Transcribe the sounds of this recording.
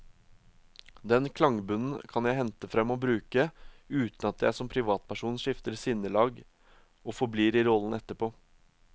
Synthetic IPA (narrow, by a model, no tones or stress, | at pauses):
d̪ɛnkʰlɑŋbʉnn̩kʰɑnjæɪhɛnt̪əfɾɛmːɔbɾʉːkəʉːt̪nɑt̪̚d̪ææsɔmpʰɾɪʋɑːt̪̚pʰæʂuːnʂɪft̪əɾsɪnəlɑːɡ | ɔfɔbliːɾɪɾɔlənɛt̪ːəpʰoː